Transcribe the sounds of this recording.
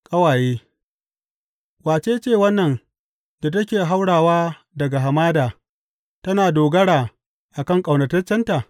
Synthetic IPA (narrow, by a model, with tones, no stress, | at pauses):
kʼɐ˦waː˨jeː˦ | waː˨t͡ʃeː˦t͡ʃeː˦˨wɐ˦nːɐ˨n | da˨tɐ˦kʲeː˨ɦa˦wɽaː˨waː˦ | dɐ˨ɡa˨ɦa˨maː˦daː˨ | tɐ˦naː˨doː˨ɡɐ˦ɽaː˨ | ʔa˨kɐ˦˨ŋkʼa˨wnɐ˨tɐ˦rt͡ʃːɐ˦nta˨